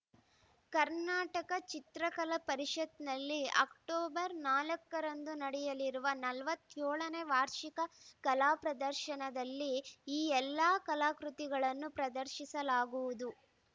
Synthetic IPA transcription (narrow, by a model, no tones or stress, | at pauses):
kɐɾnaːʈɐkɐt͡ʃit̪ɾɐkɐlɐpɐɾiʂɐt̪nɐlːiɐ̰kʈɔːbɐɾnaːlɐkːɐɾɐnd̪unɐɽɛjɐliɾuʋɐnɐlʋɐt̪ːjoːɭɐneʋaːɾʃikɐkɐlaːpɾɐd̪ɐɾʃɐnɐd̪ɐlːiiːɛlːaːkɐlaːkɾut̪iɡɐɭɐnːupɾɐd̪ɐɾʃisɐlaːɡuʋud̪u